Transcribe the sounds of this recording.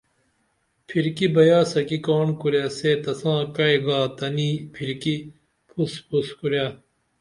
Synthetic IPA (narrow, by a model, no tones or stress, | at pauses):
pʰiɾkibɐjaːsɐkikoːnkuɾjaset̪ɐsãːkɐjɡaːt̪ɐniːpʰiɾki | pʰuspʰuskuɾja